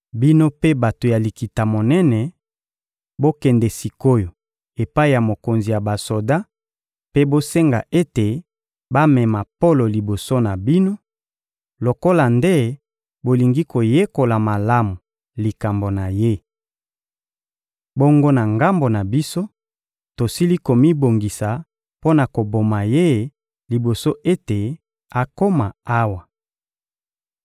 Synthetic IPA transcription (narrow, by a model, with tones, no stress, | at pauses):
bi˦no˦pe˦ba˨to˨ja˨li˨ki˨ta˨mo˨nɛ˦nɛ˨ | bo˦kɛ˨ndɛ˨si˨ko˦jo˨ | e˨pa˦i˨ja˨mo˨ko˨nzi˨ja˨ba˨so˨da˦ | pe˦bo˦se˦ŋɡa̰˨ʔe˦te˨ | ba˦mɛ˨ma˨po˦lo˨li˨bo˨so˦na˨bi˦no˦ | lo˨ko˦la˨nde˦ | bo˨li˨ŋɡi˦ko˨je˦ko˨la˨ma˨la˦mu˨ | li˨ka˨mbo˨na˨je˦ | bo˦ŋɡo˦na˨ŋɡa˦mbo˨na˨bi˦so˦ | to˨si˦li˦ko˨mi˦bo˨ŋɡi˨sa˨ | po˦na˨ko˨bo˨ma˨je˦ | li˨bo˨so˦ʔe˦te˨ | a˨ko˦ma˨a˦wa˨